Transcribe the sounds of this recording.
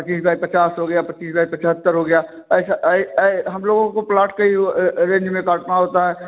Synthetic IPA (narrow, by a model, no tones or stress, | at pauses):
pət͡ʃiːsbjaːipɐt͡ʃaːsɦoɡəjapɐt͡ʃiːs̬bjaːipɐt͡ʃʰɦət̪ːəɾɦoɡəjaː | sa | ɦɐmloːɡõkoplaːʈkaiɾẽːɲd͡ʒmẽkaːʈnaɦoːt̪aɦɛː